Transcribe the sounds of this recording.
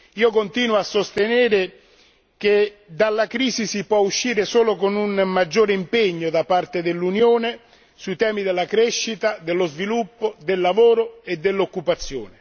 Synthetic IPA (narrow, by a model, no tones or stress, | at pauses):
iːokont̪iːnwasːost̪enɛːɾɪ | k̟ed̪alːakɾiːsisipwɔuʃːiːɾesoːlokonunmːad͡ʒːoːɾeimpeɲːod̪apart̪ed̪ɪlːunjoːne | suit̪ɛːmid̪ɪlːakɾɛʃːit̪ad̪elːozvilupːod̪elːavoːɾoed̪ːelːokːupat̪sːjoːnɪ